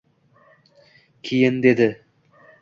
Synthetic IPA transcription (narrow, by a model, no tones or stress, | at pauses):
kʲʰijɪnd̪ed̪ɪ